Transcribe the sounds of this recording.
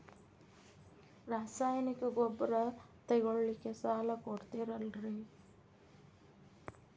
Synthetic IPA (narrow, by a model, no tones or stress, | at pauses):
ɾaːsaːjnikɐɡɔbɐɾɐt̪ɐɡoɭlikːesaːlɐkoɽt̪iɾɐlɾe